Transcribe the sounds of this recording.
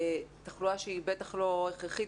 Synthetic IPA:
taχluaʃeibe̞taχlo̞eχʁeχi

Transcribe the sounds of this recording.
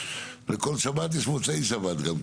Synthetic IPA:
lekolsabat̪̬jeʃmot͡sejsabat̪ɡam

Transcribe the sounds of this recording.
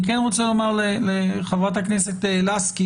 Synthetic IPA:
ikɛnʁot͡selomaʁleleχavʁat̪aknɛset̪elaski

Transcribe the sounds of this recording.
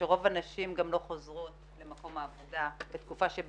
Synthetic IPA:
eʁo̞vanaʃimɡamlo̞χozʁu | le̞mako̞maːvo̞dabet̪kufaʃeb

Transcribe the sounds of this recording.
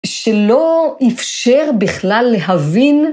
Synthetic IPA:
ʃelo̞ifʃeʁbiχlalːeɦavin

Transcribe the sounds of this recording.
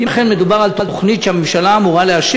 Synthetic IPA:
iχenmed̪ubaʁalt̪olt̪oχnitʃeamemʃalaːmuʁaleaʃ

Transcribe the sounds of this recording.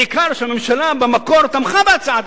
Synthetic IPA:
ikaʁʃeamemʃalabemakoʁt̪amχabeat͡saat̪

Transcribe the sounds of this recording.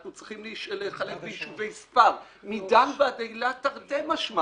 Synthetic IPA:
nut͡sʁiχimlʃleχalefbeiʃuvejspaʁ | midambeadejlataʁdemaʃma

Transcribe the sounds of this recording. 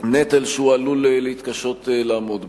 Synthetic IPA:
net̪alʃualulelehit̪kaʃo̞t̪laːmod̪

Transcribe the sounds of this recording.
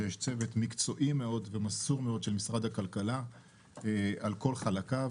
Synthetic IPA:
jeʃt͡se̞vet̪mikt͡so̞ʔime̞o̞dvemasuʁme̞o̞d̪ʃe̞lmisʁad̪hakalkala | alko̞lχalaka

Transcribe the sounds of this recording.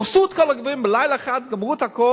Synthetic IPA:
χsuːtkɔlˠəɡəveːnbɪlˠaɪlˠaχadɡəmʁuːtakɔ

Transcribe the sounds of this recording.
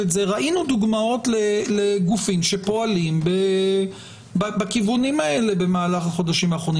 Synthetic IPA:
etzeʁaʔinud̪uɡmao̞tleleɡufimʃe̞po̞alimbe | babakivunimae̞le̞be̞maːlaχaχo̞d̪aʃimaːχʁo̞ni

